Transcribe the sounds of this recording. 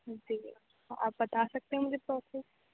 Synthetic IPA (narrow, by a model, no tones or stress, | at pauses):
d͡ʒiː | ʔa̰ːpbɐt̪asɐk̚t̪eɦɛ̃mʊd͡ʒʱepɾɔːsʰes